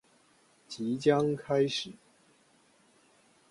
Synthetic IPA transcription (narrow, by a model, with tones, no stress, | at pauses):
t͡ɕi˨˥t͡ɕjɑ˥ŋkʰa˥ɪʂɻ̩˨˩˦